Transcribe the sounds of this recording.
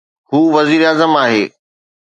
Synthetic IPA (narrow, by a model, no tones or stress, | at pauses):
huːʋɐziːɾaːzəmaːɦeː